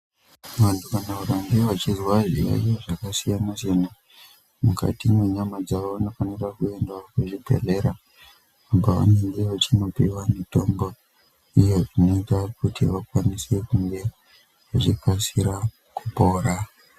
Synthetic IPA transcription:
ʋantʰukanauɾaŋɡeʋat͡ʃizwaʐḭja̰ijoʐakasijanasena | muka̰timweɲamad͡zaoʋano̞faniɾakue̞ndokuʐibʱe̞̰re̞ɾa | ambaʋa̰neŋɡeʋat͡ʃino̞pḭwamito̞mbo | ije̞ʐino̞itakutʰḭʋakwanisekuŋɡe̞ | ʋut͡ʃikasiɾa | kupo̞ːɾa

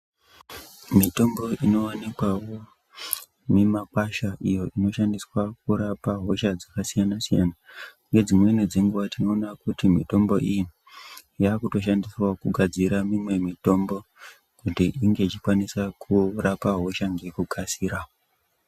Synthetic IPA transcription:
mito̞mbo̞ʔino̞wanikwawo̞ | memakwaʃaʔijo̞ino̞ʃandiswak̚uɾapaɦo̞ʃad͡zakasijanasija̰na | ŋed͡zimwe̞ned͡zeŋɡuʋatino̞ːnakutimito̞mbo̞̰ʔiji | jaːkuto̞ʃandiswakuɡʱad͡ziɾamimwe̞mito̞mbo̞ | kutiʔiŋɡe̞t͡ʃikwanisakʰurapaɦo̞ʃaŋɡe̞kukʰasiːɾa

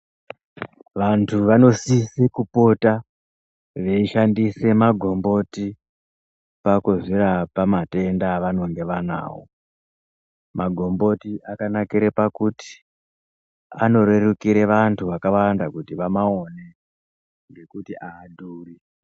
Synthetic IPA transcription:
ʋantʰuʋano̞sisekupo̞ta | ʋe̞iʃandise̞maɡʱo̞mbo̞ti | pakuziɾapamate̞ndaʋano̞ŋɡe̞ʋana̰ːwo̰ | maɡʱo̞mbo̞tiʔakanakiɾepakuti̥ | ano̞ɾe̞rukiɾeʋantʰuʋakaʋandakutiʋamaone̞ | ŋɡe̞kutiʔaːduːri

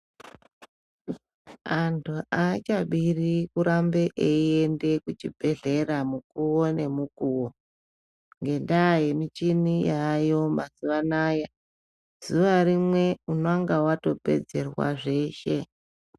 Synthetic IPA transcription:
antʰuʔat͡ʃaɓirikuɾambeʔeiende̞kut͡ʃibʱe̞ɮe̞ɾamukuwone̞mukuːwo | ŋɡe̞ndaje̞mit͡ʃinijajo̞mazuʋanaːja | z̥uʋaɾimwe̞unaŋɡawato̞pe̞̰d͡ze̞rwa̰ʐe̞ːʃe̞

